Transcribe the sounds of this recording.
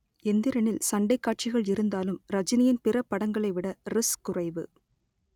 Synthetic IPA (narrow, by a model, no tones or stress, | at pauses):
ɛnd̪ɪɾɐnɪlsɐɳɖɐɪkːaːʈ̚t͡ʃɪɣɐɭɪɾɯnd̪aːlɯmɾɐd͡ʒɪnɪjɪnpɪrɐpːɐɽɐŋɡɐɭɐɪʋɪɽɐɾɪskʊrɐɪʋɯ̰